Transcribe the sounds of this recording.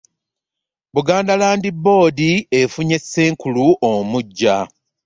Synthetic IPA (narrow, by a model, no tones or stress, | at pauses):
buɡaːndalaːndibːo̞ːdiefuɲe̞sːe̞ːŋkuluʔomuɟːa